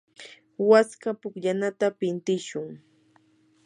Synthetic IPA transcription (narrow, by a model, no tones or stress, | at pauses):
waskapʊkʎanat̪apɪnt̪ɪʃʊŋ